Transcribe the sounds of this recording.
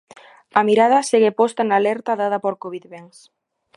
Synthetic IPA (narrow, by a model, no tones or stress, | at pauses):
ɐmiɾað̞ɐseɣepɔst̪anaːlɛɾt̪aðaðɐpoɾkoβiðβeŋs